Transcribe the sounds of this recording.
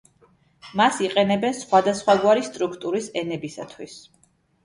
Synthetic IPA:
masiqʼɛnɛbɛnsχwad̪asχwaɡwaɾist̪ʼɾukʰt̪ʼuɾisɛnɛbisa̰t̪ʰwis

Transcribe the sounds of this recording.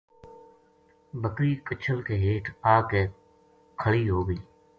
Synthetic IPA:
bəkɾiːkət͡ʃʰəlkeːɦeːʈʰaːkeː | kʰəɭiːɦoːɡəiː

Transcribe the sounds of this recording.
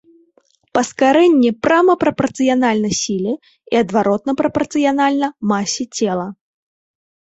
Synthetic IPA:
pɐskaɾɛnʲːipɾamɐpɾɐpɐrt̪sɨjanalʲnɐjsʲilʲi | iɐd̪vaɾɔt̪̚nɐpɾɐpɐrt̪sɨjanalʲnɐmasʲit͡sʲɛlˠɐ

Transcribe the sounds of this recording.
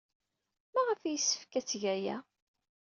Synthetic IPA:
mæʁəfijəsːə̥fkæt͡sːʝæjæ̰

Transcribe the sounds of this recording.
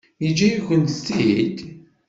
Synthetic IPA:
id͡ʒæjuçʷənt̪st̪id̪

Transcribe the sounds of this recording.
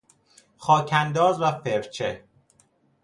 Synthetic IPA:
xɒːcʰænd̪ɒːzvæfeɾt͡ʃʰe

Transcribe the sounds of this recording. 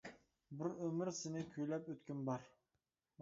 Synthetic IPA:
bɪɾømɪɾsɪnɪkʲʰøjlɛpøt̪kʲynbɑɾ

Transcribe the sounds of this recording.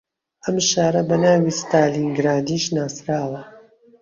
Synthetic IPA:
ʔɐmʃaːɾɐbɐnaːwiːst̪aːliːŋɡɾaːd̪iːʃnaːsɾaːwɐ

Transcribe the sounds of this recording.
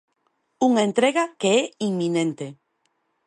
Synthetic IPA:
uŋent̪ɾeɣakeeiŋmːĩnẽnt̪e

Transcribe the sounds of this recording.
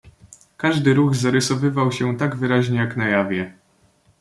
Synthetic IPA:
kaʐd̪ɘɾuɣzaɾɘsɔvɘvawɕɛt̪aɡvɘɾaʑɲɛjaknajavʲjɛ

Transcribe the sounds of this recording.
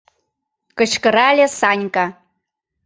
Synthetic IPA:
kə̆ʃkə̆ɾalʲesanʲka

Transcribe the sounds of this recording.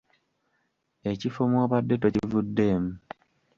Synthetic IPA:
e̞cifomwoβadːe̞tocivudːe̞ːmu

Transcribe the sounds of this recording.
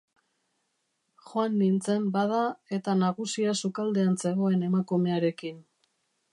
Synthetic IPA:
xoanːint͡se̞mbaðae̞t̪anaɣusiasukald̪e̞anse̞ɣo̞e̞ne̞makume̞aɾe̞kin

